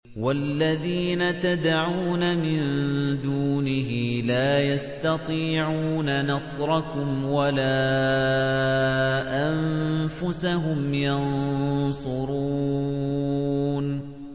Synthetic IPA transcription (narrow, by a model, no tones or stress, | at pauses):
walːaðiːnat̪ad̪aʕuːnamɪnd̪uːnɪɦɪlaːjast̪ɑt̪ˤiːʕuːnanɑsˤɾˤɑkʊmwalaː | ʔamfʊsaɦʊmjɑnsˤʊɾuː | n